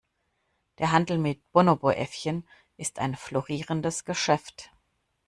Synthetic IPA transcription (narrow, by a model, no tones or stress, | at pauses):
d̥eːɐɦandl̩mɪt̚b̥onoboʔɛ̰fçən | ʔɪsta̰ɪnfloʁiːʁəndəsɡ̥əʃɛft